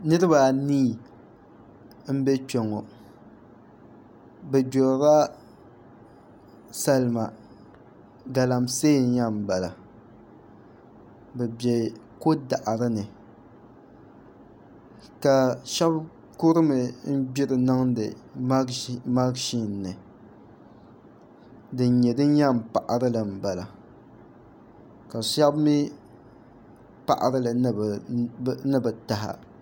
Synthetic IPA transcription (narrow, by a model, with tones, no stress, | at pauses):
nɨ˦ɾɨ˦ba˨niː˦˨ | m̩˦bɛ˦t͡ʃɛ˨ŋɔ˨ | bɛ˨bo˨ɾa˦ | sa˦lma˨ | ɡa˨la˨mseː˦˨n̩˦ɲa˦m̩˨ba˨la˨ | bɛ˨bɛ˨ko˦da˨ʔa˨ɾɨ˦nɨ˨ | ka˨ʃa˦b | ko˦ɾɨ˦mɨ˨m̩˦bi˦ɾɨ˨nɨ˦ŋdɨ̰˨˦ | ma˦ɡʃi˦nː˨ɨ˨ | dɨ˨n̩˦ɲɛ˨dɨ˦ɲa˦˨m˨pa˨ʔa˨ɾɨ˦lɨ˨m̩˨ba˨la˨ | ka˨ʃa˦bmi˦ | pa̰˦˨ʔa̰˨ɾɨ˦lɨ˨b | nɨ˦bɛ˨ta˨ɦa̰˨